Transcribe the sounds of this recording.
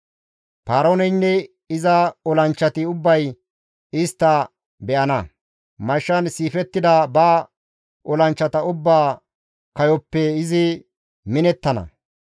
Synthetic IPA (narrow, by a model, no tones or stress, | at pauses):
paːɾoːnɛjnːɛ | ɪzɐɔlɐnt͡ʃːɐt̪ɪʊbːɐj | ɪst̪ːɐ | bɛʔɐnɐ | mɐʃːɐnsiːfɛt̪ːɪd̪ɐbaː | ʔɔlɐnt͡ʃːɐt̪ɐʊbːaː | kɐjɔpːɛɪzɪ | mɪnɛt̪ːɐnɐ̰